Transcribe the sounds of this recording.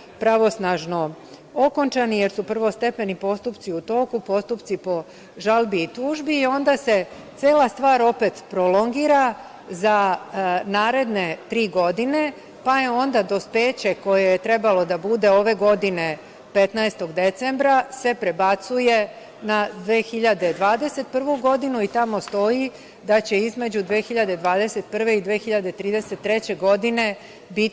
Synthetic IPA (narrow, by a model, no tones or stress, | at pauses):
pɾaʋo̞snaʒno̞ | oko̞nt͡ʃanije̞ɾsupr̩ʋo̞st̪e̞pe̞nipo̞st̪upt̪siut̪o̞ːkupo̞st̪upt̪sipo̞ | ʒalbiːt̪uːʒbiːo̞nd̪ase̞t̪seːlast̪ʋaːɾo̞pe̞t̪pɾolo̞ŋɡiːɾa | za | naːɾe̞d̪ne̞t̪ɾiːɡo̞d̪ine̞ | pajeo̞nd̪ad̪o̞speːt͡ɕe̞ko̞jejet̪ɾe̞balo̞d̪abud̪e̞o̞ːʋe̞ɡo̞d̪ine̞ | pe̞t̪naest̪o̞ɡd̪e̞t̪se̞mbɾase̞pɾe̞bat̪suje̞ | nad̪ʋeːxiʎad̪e̞d̪ʋaːd̪e̞se̞t̪̚pr̩ʋuɡo̞d̪inuit̪amo̞st̪o̞ji | d̪at͡ɕe̞izme̞d͡ʑud̪ʋexiʎad̪e̞d̪ʋaːd̪e̞se̞t̪̚pr̩ʋe̞id̪ʋeːxiʎad̪et̪ɾiːd̪e̞se̞t̪ːɾe̞t͡ɕe̞ɡo̞d̪ine̞ | bit̪